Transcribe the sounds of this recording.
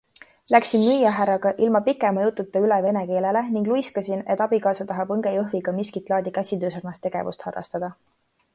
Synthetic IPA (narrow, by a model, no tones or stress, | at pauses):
læksinmyjːɑɦæɾɑɡ̥ɑʔilmɑpikːˑemɑjut̪ːˑut̪ːˑeyleve̞neke̞ːle̞le̞niŋɡlujskɑsine̞t̪ːˑɑb̥ikɑːsɑt̪ɑɦɑbɤŋɡ̥ejɤɦviɡ̥ɑmiskit̪ˑlɑːd̪ikæsʲid̪øːsɑrnɑst̪e̞ɡ̥e̞̰vṵst̪hɑd̥̪ɑ̰st̪ɑd̪̥ɑ